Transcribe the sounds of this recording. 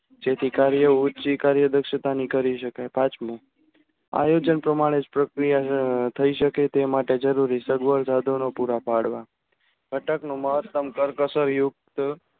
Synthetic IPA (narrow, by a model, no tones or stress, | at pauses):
d͡ʒet̪ʰikaɾjəut͡ʃikaɾjəd̪əkʃət̪anikəɾiʃəkajpat͡ʃmo | a̰jod͡ʒənpɾəmaɽ̃ed͡ʒpɾəkɾijat̪ʰəiʃəket̪emaʈed͡ʒəɾuɾisəɡʋəɾsad̪ʱonopuɾapaɽʋa | ɡʱəʈəknũməɦət̪ːəmkəɾkəsəɾjʊk̚t̪